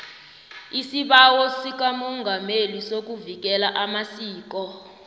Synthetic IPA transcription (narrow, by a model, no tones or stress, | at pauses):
isiɓawɔsik̬amɔŋɡʱamelisok̬uvik̬ɛlaʔamasiːk̬ɔ